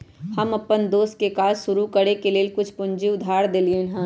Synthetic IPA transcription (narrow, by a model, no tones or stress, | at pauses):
hɐmɐpːənd̪oːst̪̚kekaːzʃʊɾukɐɽekeleːlkʊt͡ʃʰpʊ̃ɲd͡ʒiʊd̪ʱːaːɾd̪eːlienɦɛ̃ː